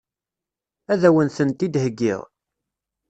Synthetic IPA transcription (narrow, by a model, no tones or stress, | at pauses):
æðæwənθənt̪id̪həɡːɪ̰ʁ